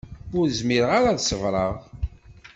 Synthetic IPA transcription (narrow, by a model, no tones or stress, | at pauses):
ʊɾzmiɾəʁaɾaðsəvɾˤɑʁ